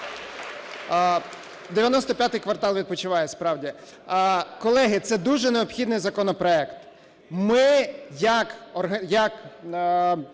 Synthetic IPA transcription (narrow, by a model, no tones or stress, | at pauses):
d̪eʋʲjɐnɔst̪ɔpʲjat̪ɪjkʋɐrt̪ɑlˠʋʲid̪̚pɔt͡ʃʊʋɑjɛspɾɑwdʲi | kɔlˠɛɦɪt̪sɛd̪uʒɛneɔbpxʲid̪nɪjzɐkɔnɔpɾɔɛkt̪ | mɪjɐkɔrɦɐjɐk